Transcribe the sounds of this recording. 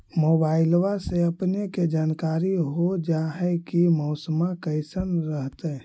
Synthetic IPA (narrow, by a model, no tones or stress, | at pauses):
mobaɪlwaseəpneked͡ʒaːnkaɾiɦod͡ʒaɦɛkimɔʊsəmakəɪsənɾəɦt̪ɛ